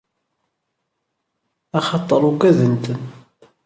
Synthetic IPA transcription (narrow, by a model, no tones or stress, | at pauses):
ɑχɑt̪ˤːəɾˤuɡæðənt̪ən